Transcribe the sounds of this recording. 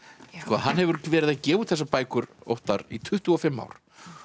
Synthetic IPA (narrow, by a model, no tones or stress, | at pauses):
skɔːɦanːhɦɛvʏɾvɛːɾɪðacɛːvuθɛsːapaːjkʏɾo̰wht̪aɾit̪ʰʏht̪ʏɔfɪmːa̰ːwɾ̥